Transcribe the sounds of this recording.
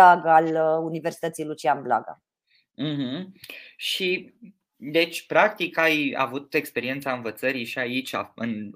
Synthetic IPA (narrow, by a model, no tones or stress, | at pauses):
aɡəaluniversit̪ət̪sijlut͡ʃianbla̰ɡa̰ | m̩ɦm̩ʃi | d̪e̞t͡ʃʲpɾak̚t̪ikaja̰vut̪e̞kspeɾie̞nt̪saɨnvət̪səɾiʃiait͡ʃʲa̰ɨn